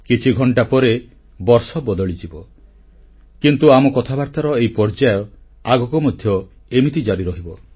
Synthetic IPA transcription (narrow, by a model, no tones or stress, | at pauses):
kit͡ʃʰiɡʱɔɳʈapɔɾe | bɔɾsɔbɔd̪ɔɭit͡ʃibɔ | kint̪uamɔkɔt̪ʰabaɾt̪aɾɔejpɔɾd͡ʒajɔ | aɡɔkɔmɔd̪ʱjɔ | emit̪id͡ʒaɾiɾɔɦibɔ